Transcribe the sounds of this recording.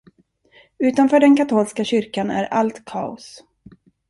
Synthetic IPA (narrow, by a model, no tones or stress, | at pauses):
ʉ̟ːt̪anfœːɖɛnkat̪ʰuːlskaɕʏɾkanæ̰ɾa̰lt̪kʰɑ̰ːʊ̰s